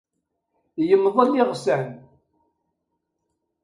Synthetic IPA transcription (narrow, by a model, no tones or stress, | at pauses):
jəmːðˤəlɪʁsæn